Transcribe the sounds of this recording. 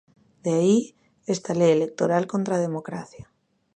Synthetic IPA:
d̪eai | est̪alejelek̚t̪oɾalkont̪ɾað̞emokɾaθja

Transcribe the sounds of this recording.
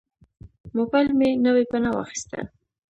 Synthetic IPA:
mʊpalmenəwepənawa̰xi̥st̪ə̰l

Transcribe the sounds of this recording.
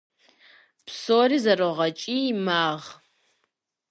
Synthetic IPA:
psoːriːzɐroʁɐt͡ʃʼiːmaːʁ

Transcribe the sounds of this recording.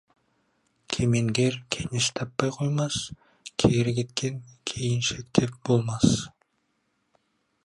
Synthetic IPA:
kʲʰemeŋɡʲe̞ɾkʲʰenest̪ʰɑpːɑjqʰo̞jmɑs | kʲʰejɾekʲʰe̞t̪kʲe̞ŋkʲʰejɪnʃe̞k̚t̪ʰe̞p̚bo̞lˠmɑs

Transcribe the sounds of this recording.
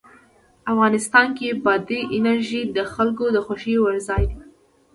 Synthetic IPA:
afɣɑnɪst̪ɑnkebɑd̪iʔɪnəɾʒid̪əxalkod̪əxoʃiwəɾzɑjd̪i

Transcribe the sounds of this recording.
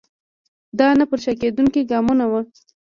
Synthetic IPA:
d̪ɑnapəɾʃɑked̪uŋkiɡɑmunawə

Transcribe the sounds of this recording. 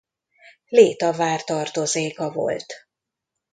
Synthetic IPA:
leːt̪ɒvaːrt̪ɒrt̪o̞zeːkɒvo̞̰lt̪

